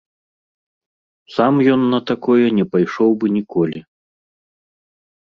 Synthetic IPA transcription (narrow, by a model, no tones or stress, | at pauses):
samjɔnːɐt̪akɔjɛnʲɛpajʂɔwbɨnʲikɔlʲi